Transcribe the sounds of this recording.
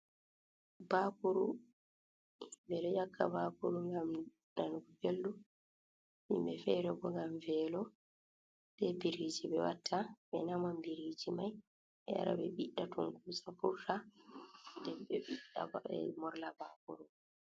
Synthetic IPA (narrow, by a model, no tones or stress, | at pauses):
bakuɾṵ | himbɛɾɛjakʰːa̰baːkuɾuŋɡam | nanɡubeldu | hḭmbɛfɛɾɛbɔŋɡamvɛːlɔ | d̥ɛbiɾid͡ʒibɛwatʰːaɓɛnamambiɾid͡ʒimaj | ɛja̰ɾa̰bɛɓiɗːatuŋkuːsafuɾta | dɛbɛɓiɗaɛ̰mɔɾlabaːkuɾu